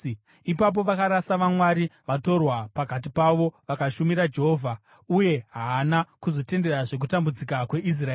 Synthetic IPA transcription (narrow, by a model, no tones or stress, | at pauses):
ipap̬o̞ʋakaɾasaʋamwaɾiʋato̞rwapakat̬ipaʋo̞ʋakaʃumiɾad͡ʒe̞ɦoːvʱa | uje̞ɦaːnakuzo̞te̞nde̞raʐe̞k̬utambud͡zikakwe̞ʔis̬raeː